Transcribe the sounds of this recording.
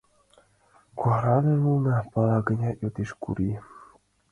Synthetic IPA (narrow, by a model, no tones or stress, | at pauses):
kuɑɾɑnɤ̆mulˠnɤ̆pɑlˠɑɡɤ̆nʲɑʔot̪eʃkṵɾʲi